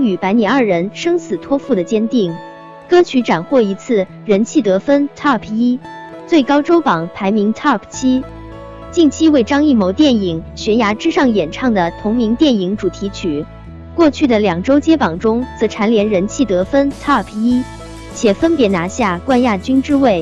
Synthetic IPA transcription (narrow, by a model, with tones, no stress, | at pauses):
ŋy˨˩pa˧˥ɪni˨˩ɐ˞˥˩ɻə˧˥nʂɤ˥ŋsɹ̩˨˩t̪ʰwɔ˥fu˥˩d̪ə˩t͡ɕjɛ˥nt̪i˥˩ŋ | kɤ˥t͡ɕʰy˧˥ʈ͡ʂa˨˩nxwɔ˥˩i˧˥t͡sʰɹ̩˥˩ | ɻə˧˥nt͡ɕʰi˥˩t̪ɤ˧˥fə˥nt̪ʰɑ˥˩pʰi˥ | t͡swe˥˩ɪkɑ˥ʊʈ͡ʂo˥ʊpɑ˨˩˦ŋpʰa˧˥ɪmi˧˥ŋt̪ʰɑ˥˩pʰt͡ɕʰi˥ | t͡ɕi˥˩nt͡ɕʰi˥we˥˩ɪʈ͡ʂɑ˥ŋi˥˩mo˧˥ʊt̪jɛ˥˩ni˨˩˦ŋɕɥɛ˧˥nja˧˥ʈ͡ʂɻ̩˥ʂɑ˥˩ŋjɛ˨˩nʈ͡ʂʰɑ˥˩ŋd̪ə˩t̪ʰʊ˧˥ŋmi˧˥ŋt̪jɛ˥˩ni˧˩˥ŋʈ͡ʂu˨˩t̪ʰi˧˥t͡ɕʰy˨˩˦ | kwɔ˥˧t͡ɕʰy˥˩d̪ə˩ljɑ˨˩ŋʈ͡ʂo˥ʊt͡ɕjɛ˥pɑ˨˩ŋʈ͡ʂʊ˥ŋt͡sɤ˧˥ʈ͡ʂʰa˧˥nljɛ˧˥nɻə˧˥nt͡ɕʰi˥˩t̪ɤ˧˥fə˥nt̪ʰɑ˥˩pʰi˥ | t͡ɕʰjɛ˨˩fə˥npjɛ˧˥na˧˥ɕja˥˧kwa˥˧nja˥˩t͡ɕy˥nʈ͡ʂɻ̩˥we˥˩ɪ